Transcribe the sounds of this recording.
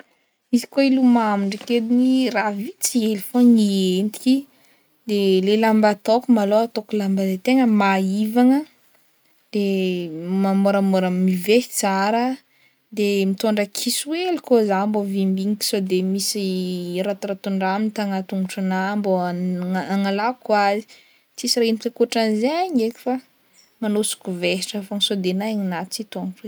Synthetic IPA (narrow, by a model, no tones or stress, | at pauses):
misi̥koilumamiɳɖ͡ʐikeliniravit͡sielifoŋient̪i̥ki | d̪elelambat̪okumaloat̪okulambad̪et̪eŋəmaivaŋə | d̪̥e | mamoɾəmoɾəmive̥t͡saɾə | d̪emit̪oɳɖ͡ʐəkʰisuwelikozambovimbiŋiki̥sod̪emisiɾat̪ɾat̪uɳɖ͡ʐamint̪aŋat̪uŋuʈ͡ʂunambo | aŋalakwazi̥ | t͡sisirainikakuʈ͡ʂanzeaɲekʲu̥fa | manosu̥kuveɦi̥ʈ͡ʂəfoŋisod̪enaeɲinat̪t͡sit̪oŋʈ͡ʂwe